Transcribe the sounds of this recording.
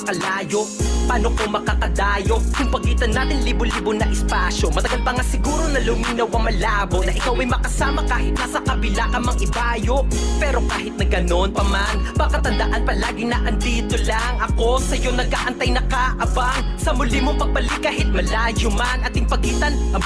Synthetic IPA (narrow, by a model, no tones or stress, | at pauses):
ɐkɐlaːjo̞ʔpaːno̞komɐkakɐd̪aːjo̞jʊŋpɐɡiːt̪ɐnːaːt̪ɪnliːboliːbonɐʔɛspasjo̞mɐt̪ɐɡalpɐŋasɪɡuːɾo̞nɐlʊmiːnɐwʔɐŋmɐlaːbonɐʔɪkawmɐjmɐkɐsaːmɐkaːhɪt̪̚nɐsɐkɐbɪlakɐmɐŋʔɪbaːjo̞ʔpɛːɾo̞kaːɦɪt̪̚nɐɡɐno̞npɐmanbakɐt̪ɐnd̪ɐʔanpɐlaːɡɪnɐʔɐnd̪iːt̪o̞laŋɐko̞sɐjo̞nɐɡʔaʔɐnt̪ajnɐkaʔɐbaŋ | sɐmʊlimopɐɡ̚bɐlɪk̚kːaːɦɪt̪̚mɐlaːjomɐnɐt̪ːɪŋpɐɡiːt̪ɐn